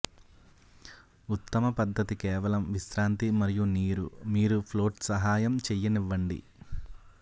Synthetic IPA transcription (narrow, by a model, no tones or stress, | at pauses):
ut̪ːɐmɐpɐd̪ʱːɐt̪ikɛːʋɐlɐmʋiʃsɾaːnt̪imɐɾijuniːɾṵmiːɾupʰloːʈsɐɦaːjɐmt͡ʃɛjːɐniʋːɐɳɖḭ